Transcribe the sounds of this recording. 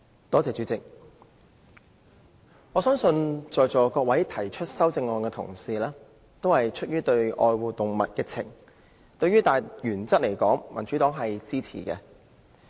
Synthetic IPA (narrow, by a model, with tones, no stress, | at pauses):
t̪ɔː˨˥t͡sɛː˨t͡ʃy˨˥t͡sɪ˨k̚ | ŋɔː˨˧sœː˥ŋsɵ˧nt͡ʃɔː˨jt͡sɔː˨˩kɔː˧kwɐ˨˥jt̪ʰɐ˨˩jt͡ʃʰɵ˥t̚sɐ˥wt͡sɪ˧ŋɔː˧nkɛː˧t̪ʰʊ̰˨˩ŋsiː˨lɛː˥ | t̪o˥whɐ˨jt͡ʃʰɵ˥t̚jyː˥t̪ɵ˧ɥʔɔː˧jwuː˨t̪ʊ˨ŋmɐ˨t̚kɪ˧k̚t͡sʰɪ̰˨˩ŋ | t̪ɵ˧ɥyː˥t̪aː˨jjyː˨˩nt͡sɐ˥t̚le˨˩jkɔː˨˥ŋmɐ˨˩nt͡ʃyː˨˥t̪ɔː˨˥ŋɦɐ˨jt͡siː˥t͡sʰḭː˨˩kɛ̰˧